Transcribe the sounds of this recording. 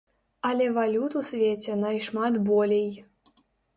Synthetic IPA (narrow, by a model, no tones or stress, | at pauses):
alʲɛvalʲut̪usʲvʲet͡sʲenɑjʂmɑt̪bolʲej